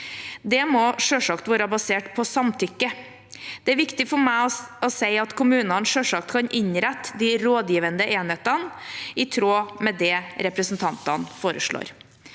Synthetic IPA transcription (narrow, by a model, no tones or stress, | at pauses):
d̪ɛmɔʂøːʂɑkt̪ʋæːɾəbɑseːʈpʰɔsɑmt̪ʰʏkːə | d̪̥ɛæɾʋɪkt̪ɪfɔɾmæɪɔɔsæɪɑt̪kʰʊmʉːnɑnʂøːʂɑkt̪kʰɑɲʔɪɲɾɛt̪ːd̪iɾoːd̪jiːʋənd̪əʔeːnheːt̪ɑnɪt̪ʰɾoːmɛd̪ɛɾɛpɾəsn̩t̪ʰɑnt̪ɑ̰nfoːɾəʂɭo̰ːɾ